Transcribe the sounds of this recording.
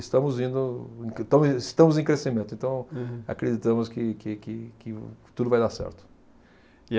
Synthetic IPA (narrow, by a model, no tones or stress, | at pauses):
ɪst̪ɐ̃mʊzĩnd̪ʊẽt̪ɐ̃w̃ɪst̪ɐ̃mʊzẽkɾesimẽt̪ʊɪẽnt̪ɐ̃w̃a̰kɾed̪it̪ɐ̃mʊskɪkɪkɪkɪt̪ud̪ʊvajd̪asɛ̰ɾt̪ʊ̥